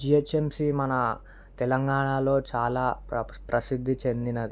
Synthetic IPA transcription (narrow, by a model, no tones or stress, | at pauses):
d͡ʒiet͡ʃːemsimɐnɐ | t̪ɛlɐŋɡaːɳaːlo̞ːt͡ʃaːlaːpɾɐsid̪ʱːit͡ʃe̞nd̪inɐd̪i